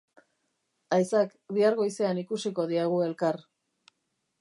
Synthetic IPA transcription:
ajsak | biaɾɣo̞jse̞anikusiko̞ðiaɣ̞ue̞lkar

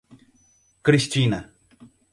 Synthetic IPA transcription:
kɾist͡ʃina

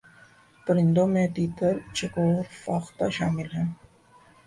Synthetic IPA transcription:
pəɾɪnd̪omẽt̪iːt̪əɾt͡ʃʰekoɾfaːxt̪aʃaːmɪlɦɛ̃ː

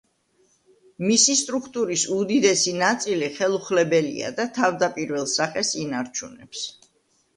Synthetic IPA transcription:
misist̪ʼɾukʰt̪ʼuɾisud̪id̪ɛsinat̪sʼiliχɛlˠuχlɛbɛlḭa̰d̪at̪ʰavd̪apʼiɾvɛlˠsaχɛsinaɾt͡ʃʰunɛps

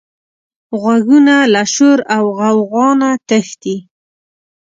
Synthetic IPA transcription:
ɣwaɡunalaʃʊɾawɣawɣɑnat̪əxt̪i

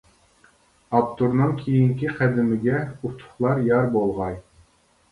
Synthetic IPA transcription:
ɑpt̪ʰuɾnɨŋkʲʰejiŋkʲiqʰæd̪ɪmɪɡʲɛut̪ʰʊ̥χlˠɑɾjɑɾbolˠʁɑj

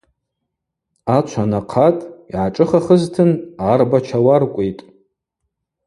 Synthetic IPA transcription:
at͡ʃʷʰanaqʰatʼiʕaʈ͡ʂʼɨχaχəztʰɨnarbat͡ʃʰawarkʷʼejtʼ

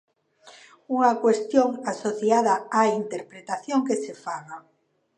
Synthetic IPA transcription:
uŋakwest̪joŋasoθjaðaaint̪eɾpɾet̪aθjoŋkesefaɣa

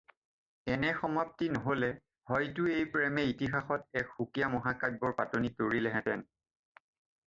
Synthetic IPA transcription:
ɛnɛxɔmap̚tinɔɦolɛ | hɔjtʊejpɹɛmɛitixaxɔt̚ɛkxukijamɔɦakabɔɹpatonitoɹilɛɦɛ̃tɛ̰n

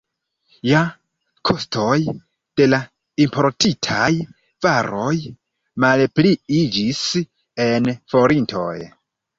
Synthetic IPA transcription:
ja | kʰo̞stʰo̞j | d̥e̞la | impʰo̞ɾtitʰaj | vaɾo̞j | malpliid͡ʒis | e̞nfo̞ɾintʰo̞̰j

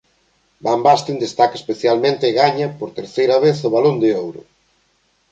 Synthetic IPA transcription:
bambast̪ind̪est̪akaɐe̥speθjalmẽnt̪ɪɣaɲɐpoɾt̪eɾθejɾɐβeθoβalond̪ɪowɾʊ̰

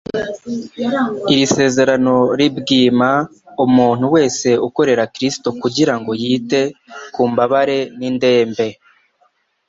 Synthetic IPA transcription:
iɾise̞ːze̞ɾano̞ɾibɡiːma | umuːn̥uwe̞ːse̞uko̞ɾe̞ɾakɾisto̞kuɟiɾaŋɡo̞jiːte̞kuːmbaβaɾe̞ninde̞ːmbe̞

